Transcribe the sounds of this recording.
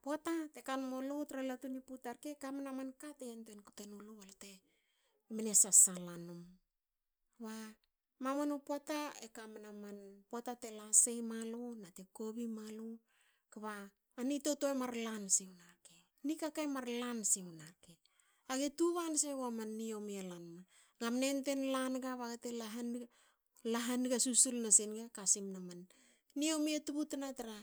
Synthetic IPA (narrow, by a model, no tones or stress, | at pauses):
poatate̞kanmolotɾalatuniputaɾkekamanamankateantoenkutenoloalte | menesasalanum | βa | mamanopwataekamenamanpoatate̞lasejmalonate̞ko̞βimalo | kaβaː | nito̞toemaɾlansiewnaɾke | nikakajmaɾlansewnaɾke | aɡetuβanseβwamanːiomialanma | ɡamnente̞nlanɡaβaɡetelaɦan | laɦanɡasusulnasenɡakasimnamanː | iomietuβutanataɾa